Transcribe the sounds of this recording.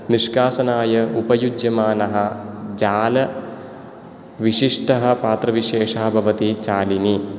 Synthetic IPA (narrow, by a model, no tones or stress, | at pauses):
niʂkaːsɐnaːjɐupɐjud͡ʒjɐmaːnɐɦɐ̆d͡ʒaːlɐ | ʋiʂiʂʈɐɦɐ̆paːt̪ɾɐʋiʂeːʂɐɦɐbʱɐʋɐt̪it͡ʃaːlini